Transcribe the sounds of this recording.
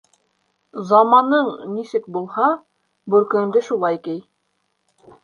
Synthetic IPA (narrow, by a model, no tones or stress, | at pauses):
zɑmɑnɤɴnisɘk̚bulˠhɑ | bɵ̆ɾkɵ̆ŋd̪ɘʃulˠɑjkɘj